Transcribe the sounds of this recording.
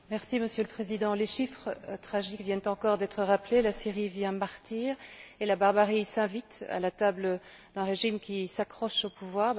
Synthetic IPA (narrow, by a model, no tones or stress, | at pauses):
mɛʁsiməsjøləpχezid̪ɑ̃leʃifχət̪χaʒikvjɛnt̪ɑ̃kɔʁd̪ɛt̪χəʁaplelasiʁivjɛ̃maʁt̪iːʁelabaʁbaʁisɛ̃vit̪a̰lat̪ablə | d̪ɛ̃ʁeʒimkʲisakχɔʃopuvwaːʁ